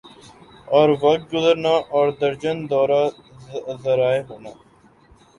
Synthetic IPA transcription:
ɔːɾʋəɡʊzəɾnaːʔɔːɾd̪əɾd͡ʒənd̪ɔːɾaː | zəɾaːeːɦoːnaː

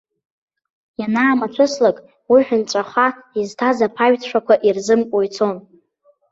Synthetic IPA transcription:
janaːmat͡ʃʷʰɨslakʼ | wiħᶣʊnt͡ʃʷʼaχʷaiztʰazapʰaɥtʰʂakʷʰaʔirzɨmkʷʼojt͡sʰo̞n

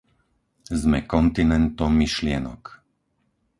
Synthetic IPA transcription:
zmɛkɔnt̪inɛnt̪ɔmːiʃlɪɛnɔ̰k

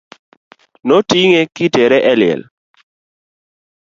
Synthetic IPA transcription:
notiŋekɪteɾɛʔɛlɪɛ̰l

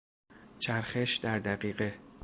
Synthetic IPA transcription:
t͡ʃʰæɾxeʃd̪æɾd̪æɢiːɢe

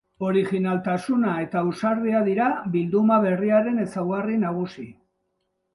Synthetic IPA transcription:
o̞ɾixinalt̪asunae̞t̪ausaɾðiaðiɾaβild̪umaβe̞riaɾe̞ne̞sawɣarinaɣusi

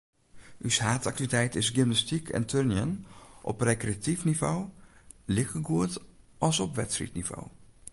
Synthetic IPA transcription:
ʔyshaːtaktivitɛjtɪsɡɪmnastikʰɛ̰ntʰørnjənʔɔ̰prekreatifnivowlɪxəɡuət | ʔɑlˠsɔpʋɛtsrḭtniv̥o̰w

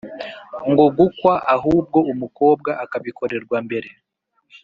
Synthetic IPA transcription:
ŋɡo̞ɡukwaʔaɦuːb̚ɡo̞umuko̞ːb̚ɡaʔakaβiko̞ɾe̞ɾɡwambe̞ɾe̞

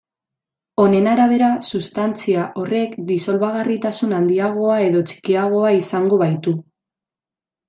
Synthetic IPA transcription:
o̞ne̞naɾaβ̞e̞ɾasust̪ant͡siaʔo̞re̞kd̪iso̞lβaɣ̞arit̪asunand̪iaɣ̞o̞ae̞ðo̞t͡ʃi̥kiaɣ̞o̞aisaŋɡo̞βajt̪u

